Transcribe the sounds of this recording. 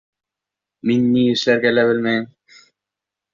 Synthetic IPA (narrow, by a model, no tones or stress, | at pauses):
minːiɘ̆ʃlæɾɡælæβɘlmæjɘm